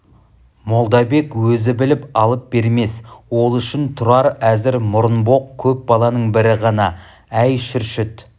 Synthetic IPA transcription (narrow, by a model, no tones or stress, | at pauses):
mo̞lˠd̪ɑbe̞kwɵzɪbɪlɪpɑlˠəp̚be̞ɾme̞swo̞lˠʏʃɪnt̪ʰʊɾɑɾæzɪɾmʊɾənbo̞q̚kʲʰɵp̚bɑlˠɑnəɴbɪɾɪʁɑnɑ | æjʃʏɾʃʏt̪